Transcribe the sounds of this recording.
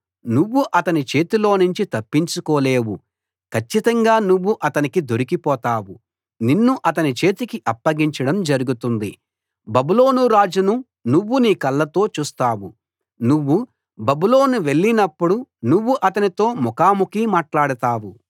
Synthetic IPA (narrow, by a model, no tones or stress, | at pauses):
nuʋːuʔɐt̪ɐnit͡ʃe̞ːt̪ilo̞ːnuɲt͡ʃit̪ɐpːiɲt͡ʃukoːle̞ːwu | kʰɐt͡ʃːit̪ɐŋɡaːnuʋːuʔɐt̪ɐnikid̪o̞ɾikipɔːt̪aːwu | ninːuʔɐt̪̬ɐnit͡ʃe̞ːt̪ikiʔɐpːɐɡiɲt͡ʃɐɽɐmd͡ʒɐɾuɡut̪und̪i | bɐbulo̞ːnuɾaːd͡ʒunu | nuʋːuniːkɐlːɐt̪o̞ːt͡ʃuːst̪aːwu | nuʋːu | bɐbulo̞ːnuʋe̞ɭːinɐpːuɽunuʋːuʔɐt̪ɐnit̪o̞ːmɔkaːmukimaːʈlaːɽɐt̪aːwu